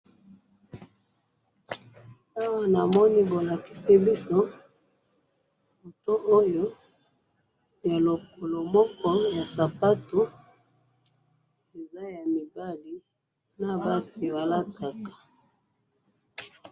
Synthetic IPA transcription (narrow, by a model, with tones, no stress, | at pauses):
a˦wa˦na˨mɔ˦ni˦bo˨la˨ki̥˦si˦bi˦so˦ | mo˨to˦ʔo˦jo˦ | ja˨lo˨k̚o˨lo˨mɔ˦kɔ˦ja˨sa˨pa˦to˦ | e˨za˦ja˨mi˨ba˦li˨˦ | na˨ba˦si˨wa˨la˦ta˨kḁ˨